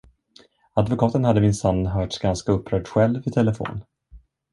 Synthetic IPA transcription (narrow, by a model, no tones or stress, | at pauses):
ad̪vʊkʰɑːt̪ənhad̪ːəmɪnsanːɦœːʈsɡanskaɵpʰːɾœːɖɧɛlvvɪʈ̪ʰɛləfo̰ːn